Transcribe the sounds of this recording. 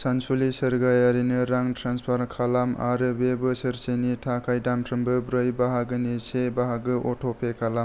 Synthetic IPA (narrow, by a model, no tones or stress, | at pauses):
sansulisɯɾɡajaɾinɯɾaŋtʰɾanspʰaɾkʰalama̰ɾɯbebɯsɯɾsenitʰakʰajdamtʰɾɯmbɯbɾɯjbaɦaɡɯnisebaɦaɡɯʔotʰopʰekʰalam